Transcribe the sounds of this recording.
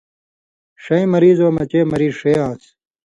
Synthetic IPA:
ʂɐĩmɐɾiːzoːmɐt͡ɕeːmɐɾiːzʂejãːs

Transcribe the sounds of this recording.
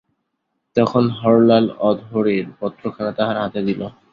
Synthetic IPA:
t̪ɔkʰonɦɔɾlalɔd̪ʱɦoɾeɾpɔt̪ːɾokʰanat̪aɦaɾɦat̪ed̪ilo

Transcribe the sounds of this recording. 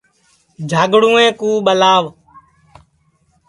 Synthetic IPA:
d͡ʒʱaːɡɽũːẽːkuːɓəlaːʋ

